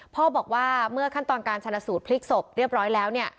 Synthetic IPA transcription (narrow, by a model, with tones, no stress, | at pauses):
pʰɔː˥˩bɔː˨˩k̚waː˥˩mɯ˥˩ɐkʰa˥˩nt̪ɔː˧nkaː˧nt͡ɕʰa˧na˧suː˨˩t̪̚pʰli˦˥k̚so˨˩p̚ɾi˥˩p̚ɾɔː˦˥jlɛː˦˥wni˥˩ɐ